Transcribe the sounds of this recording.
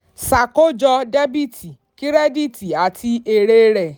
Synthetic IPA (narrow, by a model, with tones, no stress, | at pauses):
sa˨ko˦d͡ʒɔ˧de˦bi˦˨tʰi˨ | ki˦ɾɛ˦di˦˨ti˨a˨tʰi˧e˧ɾe˦ɾɛ˨